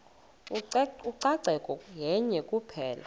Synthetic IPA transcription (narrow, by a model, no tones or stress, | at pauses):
uǀaǀɛkʼɔjɛɲɛkʼupʰɛːla